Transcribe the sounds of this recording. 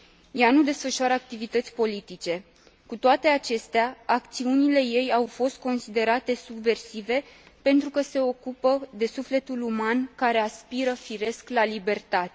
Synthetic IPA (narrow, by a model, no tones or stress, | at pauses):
janud̪e̞sfəʃaɾəak̚t̪ivit̪ət̪sʲpo̞lit̪it͡ʃe̞ | kut̪oat̪e̞at͡ʃe̞st̪eaakt̪siunile̞je̞jawfo̞st̪̚ko̞nsid̪e̞ɾat̪e̞subve̞rsive̞pe̞nt̪ɾukəse̞o̞kupəd̪e̞sufle̞t̪ulumankaɾe̞aspiɾəfiɾe̞sklalibe̞rt̪at̪e